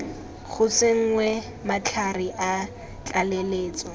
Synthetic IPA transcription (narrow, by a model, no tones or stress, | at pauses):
ɣʰʊsɪŋ̩ŋwɛ | mat͡ɬʰariʔa | t͡ɬʼaleleːt͡sʼɔ